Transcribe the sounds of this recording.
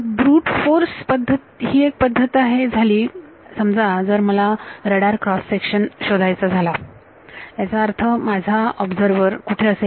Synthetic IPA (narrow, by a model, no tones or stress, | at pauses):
bɾuːʈfoɾspəd̪ʱːət̪ɦiːek̚pəd̪ʱːət̪iaɦed͡zʱaliː | səmd͡zad͡zəɾməlaɾəɽaɾkɾɔsːekɕənɕod̪ʱajt͡sad͡zʱala | t̪jat͡saəɾt̪ʰəmad͡zʱaɔbd͡zəɾʋəɾkuʈʰeəse